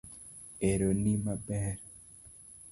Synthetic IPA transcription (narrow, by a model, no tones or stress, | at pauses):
eɾonimabɛɾ